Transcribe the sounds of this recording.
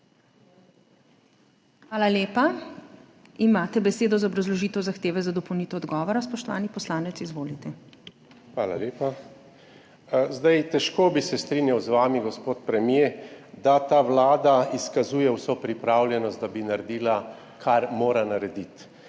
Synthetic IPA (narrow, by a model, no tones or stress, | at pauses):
xʋaːlaleːpa | imaːt̪ɛbɛseːd̪ɔzaɔbɾazlɔʒiːt̪ɛwzaxt̪eːʋɛzad̪ɔpowniːt̪ɛɔd̪ɡɔːʋɔɾaspɔʃt̪ɔʋa̰ːnipɔslaːnɛt̪sizʋoːlit̪ɛ | xʋaːla̰leːpa | zd̪ajt̪ɛʃkoːbisɛst̪ɾinjawzʋaːmiɡɔspoːt̪pɾɛmjed̪at̪aːʋlaːd̪aiskazuːjɛwsopɾipɾaːwljɛnɔst̪̚d̪abinaɾɛd̪iːla | kʰaɾmoːɾanaɾɛd̪it̪